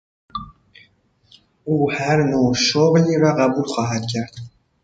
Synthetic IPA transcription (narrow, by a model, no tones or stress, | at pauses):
ʔuːhæɾnoːʃoɣliːɾɒːɢæbuːlxɒːɦæd̪̥cʰæɾd̪̥